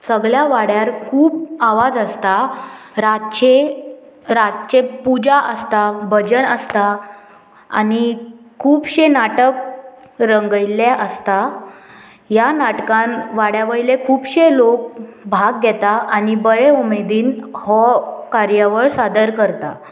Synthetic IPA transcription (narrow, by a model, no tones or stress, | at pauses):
səɡɭjaʋaɽjaɾkʰuːbaʋad͡zəst̪a | ɾat͡ɕe | ɾat͡ɕepud͡ʑaʔəst̪abəd͡ʑənəst̪a | a̰ni | kʰuːbɕenaʈək̚ | ɾəŋɡəjljaʔəst̪a | janaʈkãnʋaɽjaʋəilekʰuːbɕelok̚bʱaɡ̚ɡʱɛt̪aʔanibəɭeumed̪iːnhɔkaɾjəʋəɭsad̪əɾkəɾt̪a